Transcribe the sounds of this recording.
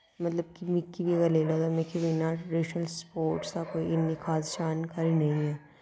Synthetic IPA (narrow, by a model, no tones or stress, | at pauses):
mɐt̪ləb̚kimɪkːibiɐɡɐɾleːlad̪amẽkʰibinaɾeʃnəlspoːɾʈskakoːiɪnːikʰaːd̪ʃaːnkʰaɾinɐɦĩɦɛː